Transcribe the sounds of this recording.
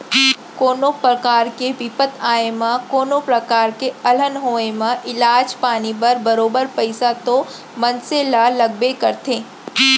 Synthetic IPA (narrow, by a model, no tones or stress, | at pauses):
koːnopɾkaːɾkeʋipət̪ʰaːemãkoːnopɾɐkaːɾkeɐlənɦoːemãʔɪlaːd͡ʒpaːnipɐɾbɐɾoːbəɾpɐɪsat̪o | mɐ̃nselalɐɡ̚bekɐɾt̪eː